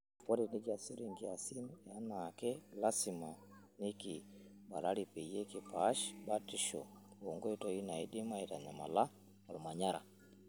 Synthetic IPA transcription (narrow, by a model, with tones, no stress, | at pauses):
kɔ˦ɾɛ˨ni˦ki˦a˨si˦ɾi˨ŋɡi˨a˨si˦na˦nakɛ˦la˦sima˨ | ni˦ki˨ | ba̰˨ɾa˦ɾi˨pe˨je˦ki˨paʃba˦ti˦ʃo̰˨o˨ŋɡo˦i˦tɔ˨i˦na˨i˦di˦ma˦iɾa˨ɲa˨ma̰˨la˦ | a˨lu˨ma˨ɲa˦ɾa̰˨